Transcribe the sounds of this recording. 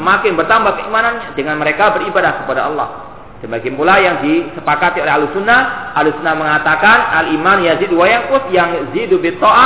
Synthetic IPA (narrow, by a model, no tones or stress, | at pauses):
əmakɪnbərt̪ambakəimananɲadəŋanməɾekabəribadahkəpadaʔɑlːɔ̰h | d̥anbaɡɪnpulajaŋdisəpakat̪iolɛɦalusunːaʔalusunːaməŋat̪akanalimanjaziduwajaŋkʊsjaŋzidubɪt̪ɔa